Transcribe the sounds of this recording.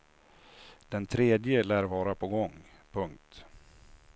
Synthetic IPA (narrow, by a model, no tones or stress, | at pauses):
d̪̥ɛnt̪ʰɾeːd̪jəlæːɾvɑːɾapʰɔɡɔŋ | pʰɵŋk̚t̪